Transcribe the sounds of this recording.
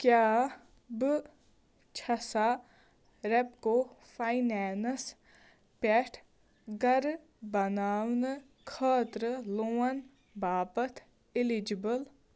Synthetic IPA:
kjaː | bɨ | t͡ʃʰɐsa | ɾɛp̚kofʰajnɛːns | pɛʈʰ | ɡɐɾ | bɐnaːʋnɨ | kʰaːt̪ɾəloːɐn | baːbɐt̪ʰ | ɪlid͡ʒibəl

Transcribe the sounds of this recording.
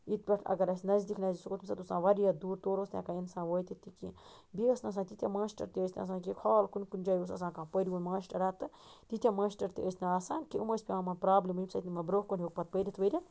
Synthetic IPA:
it̪̚pʲɐʈʰɐ̰ɡɐɾɐsʲnɐzd̪ikʰnɐzʲisukot̪misɐt̪usãːʋɐɾijɐd̪uːɾt̪oːɾost̪ʲjã̰ːkainsãːʋəːt̪it̪ikḭ̃ | biɐsnɐs̬ãːt̪it̪ʲjamãːsʈɐ̰ɾt̪iəsʲna̰ɐs̬ãːk̬ikʰaːlkunkund͡ʒɐjus̬ɐ̰s̬ãːkãːpəɾʲiunmaːʃʈɐɾat̪ːɨt̪it̪ʲamãːʃʈɐɾt̪ḭʔəsnɐaːsaːnkiuməsʲpʲeaːmɐnpɾaːblimimsɐit̪nimɐbɾohkonʲiok̚pɐt̪̚pəɾʲit̪ʋəɾʲɐ

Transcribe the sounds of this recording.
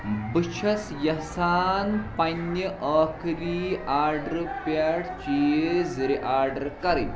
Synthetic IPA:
bɨt͡ʃʰɐsjɐsaːnpɐnːəʔəːkɾiːaːɾɖɾpaɽt͡ʃizɾiʔaːɾɖɐɾkɐɾi

